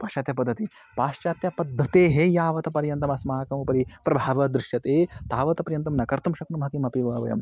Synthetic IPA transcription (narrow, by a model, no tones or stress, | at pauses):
paːʃaːt̪jɐpɐd̪ːɐt̪i | paːʃt͡ʃaːt̪jɐpɐd̪ʱːɐt̪eːɦejaːʋɐt̪ɐpɐɾjɐnt̪ɐmɐsmaːkɐmɐpɐɾipɾɐbʱaːʋɐd̪ɾɪʃjɐt̪eːt̪aːʋɐt̪ɐpɐɾjɐnt̪̬ɐmnɐkɐɾt̪umʃɐknumɦɐkimɐpiʋaːʋɐjɐ̰m